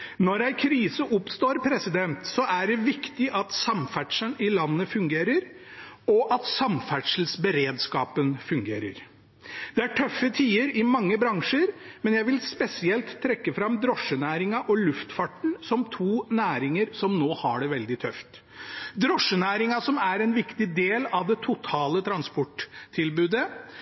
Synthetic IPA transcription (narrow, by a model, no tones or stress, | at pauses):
nɔɾæɪkʰɾiːsəʔʊpst̪oːɾpʰɾɛsɪd̪ɛnt̪sɔʔæɖɛʋɪkt̪ɪʔɑt̪sɑmfæʈʂənɪlɑnːəfʉŋɡeːɾəɾ | ɔʔɑt̪sɑmfæʈʂəl̩sbəɾeːd̪skɑːpənfʉŋɡḛːɾə̰ɾ | d̪̥ɛæʈʰœfːət̪ʰiːəɾɪmɑŋːəbɾɑŋʂəɾmɛnjæɪʋɪlspɛsɪɛlt̪ʰːɾɛkːəfɾɑmd̪ɾɔʂənæːɾɪŋɑʔɔlʉft̪fɑʈːɳ̩sɔmt̪ʰuːnæːɾɪŋəɾsɔmnoːhɑɖɛʋɛld̪ɪt̪ʰœft̪ | d̪ɾɔʂːənæːɾɪŋɑsɔmæɾɛnʋɪkt̪ɪd̪eːlɑʋd̪ɛt̪ʰʊt̪ʰɑːlət̪ʰɾɑnspɔʈt̪ʰːɪlbʉːd̪ə